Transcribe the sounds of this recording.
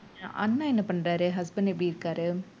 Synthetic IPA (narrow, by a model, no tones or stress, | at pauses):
a̰ʔɐnːãːɛnːɐpɐɳːɾaːɾɯɦɐsbɐnɛpːɽiɪɾɯkːaːɾɯ